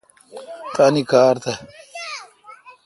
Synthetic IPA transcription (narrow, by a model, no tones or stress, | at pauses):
tanikaːɾt̪ɐ